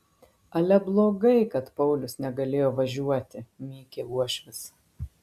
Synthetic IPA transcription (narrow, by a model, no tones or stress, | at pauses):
ɐlʲɛblˠoːɡɐɪkɐt̪pɐʊlʲʊsnʲɛɡɐlʲeːjoːʋɐʒʲuɔt̪ʲɪmʲiːkʲeːuɔʃʲʋʲɪs